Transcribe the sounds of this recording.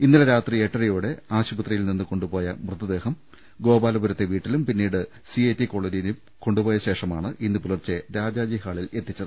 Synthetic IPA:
inːilɐɾaːt̪rieʈːɐɾɐjuːɽe̞aːɕubɐt̪rɐjilninːɨko̞ɳɖupo̞ːjɐmrɨt̪ːɐd̪e̞ːhɐm | ɡo̞ːbaːlɐbuɾɐt̪ːe̞ʋiːʈːilumpinːiːɽɨ | sieːtːiko̞ɭenijinum | ko̞ɳɖupo̞ːjɐɕe̞ːʂɐmaːɳɨʔinːɨpulɐrt͡ɕːeɾaːd͡ʑaːd͡ʑihaːɭile̞t̪ːit͡ɕːɐðɨ

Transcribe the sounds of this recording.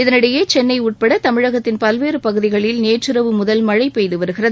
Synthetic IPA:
ɪðɐnɪɽɐjeːt͡ʃɛnːɐɪuːʈ̚pɐɽɐt̪ɐmɪɻɐɣɐt̪ːɪnpɐlʋeːɾɯpɐɣɯðɪɣɐɭɪlneːʈrɯɾɐʋɯmʊðɐlmɐɻɐɪpːɛjðɯʋɐɾɯɣɪrɐð

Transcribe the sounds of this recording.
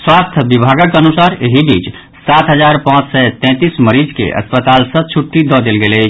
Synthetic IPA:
swast̪ʰbibʱaɡəkənusaɾeɦibʱit͡ʃ | sat̪ʰɦəd͡ʒaɾpãt͡ʃsɛt̪ɛ̃t̪isməɾid͡ʒkḛʔə̰spət̪alsə̃t͡ʃʰuʈːid̪ɔd̪elɡele

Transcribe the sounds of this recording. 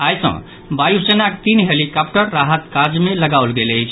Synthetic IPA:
ajsə̰̃ | bajusenakt̪inɦelikap̚ʈəɾːaɦət̪kad͡ʒmeləɡawlɡeləjt͡ʃʰ

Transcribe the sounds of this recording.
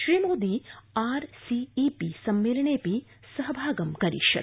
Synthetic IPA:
ʃɾiːmoːd̪iaːɾsiːpisɐmːeːlɐɳeːpi | sɐɦbʱaːɡɐmkɐɾḭʃɐ̰

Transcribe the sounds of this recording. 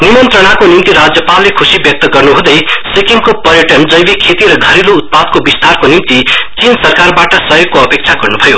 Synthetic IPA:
nimʌnt̪rʌɽakonimt̪iɾad͡zjʌpalːekʰusibjʌk̚t̪ʌɡʌrnuɦũd̪ʌjsikimkopʌrjʌʈʌnd͡zʌjbekʰet̪iɾʌɡʱʌɾilout̪̚pad̪̚kobist̪arkonimt̪it͡sinsʌrkarbaʈʌsʌjoɡ̚koʌpek̚t͡sʰaɡʌrnubʱʌjo

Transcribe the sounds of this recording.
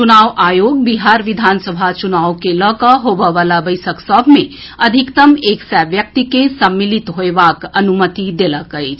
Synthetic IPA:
t͡ʃunaːʋʔaːjoːɡ̚biɦaɾʋid̪ʱansəbʱat͡ʃunaːwkeləkəɦobəʋalabəjsəksɔbʱmẽ | əd̪ʱikt̪əmeːksaʋjək̚t̪ikesəmːilit̪ɦoebakənumət̪id̪eləkəjt͡ʃʰ

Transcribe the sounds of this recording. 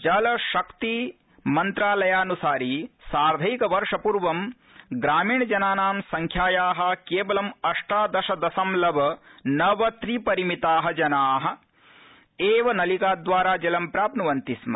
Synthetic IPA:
t͡ʃɐlɐʃɐkt̪i | mɐnt̪ɾaːlɐjaːnusaːɾisaːɾd̪ʱɐjikɐʋɐɾʂɐpuɾʋɐm | ɡɾaːmiːɳɐd͡ʒɐnaːnaːmsɐŋkʰjaːjaːɦɐ̆keːʋɐlɐmɐʂʈaːd̪ɐʃɐd̪ɐsɐmlɐʋɐnɐʋɐt̪ɾipɐɾimit̪aːɦɐd͡ʒɐnaːɦɐ̆ | eːʋɐnɐlikaːd̪ʋaːɾaːd͡ʒɐlɐmpɾaːpnuʋɐnt̪ismɐ̰

